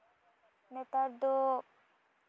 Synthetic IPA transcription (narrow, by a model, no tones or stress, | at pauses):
net̪aɾd̪o